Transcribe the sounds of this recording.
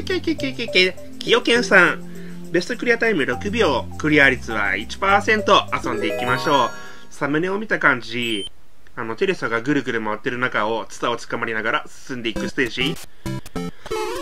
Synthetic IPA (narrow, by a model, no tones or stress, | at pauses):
kekekekeke | kʲijo̞kẽ̞ɰ̃sãŋ | be̞sɨ̥t̪o̞kɯ̟ɾʲijat̪aimɯ̟ɾo̞kɯ̟bʲo̞kɯ̟ɾʲiaɾʲit͡sɨβa̰it͡ɕi̥paːsẽ̞nt̪o̞asõ̞nd̪e̞ikʲimaɕo̞ː | samɯ̟ne̞o̞mʲit̪akãɲ̟d͡ʑi | ano̞t̪e̞ɾe̞soɡaɡɯ̟ɾɯ̟ɡɯ̟ɾɯ̟maβat̪ːe̞ɾɯ̟nakao̞t͡sɨ̥t̪ao̞t͡sɨ̥kamaɾʲinaɡaɾasɨ̥sɨ̃nd̪e̞ikɯ̟sɨ̥t̪eːʑi